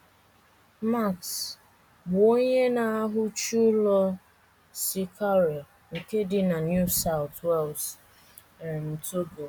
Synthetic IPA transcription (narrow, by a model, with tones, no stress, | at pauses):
ma˦˨ks | bo˦ɲe˦na˨a˦ɦʊ˦t͡ʃu˦lɔ˦ | si˦kʰa˦ɾo˨ | ŋ̩˨ke˦dɪ˦na˨nju˦˨sa˦ʊ˨twɛ˦˨lt | ɾe˨n̩˨tu˦bo˨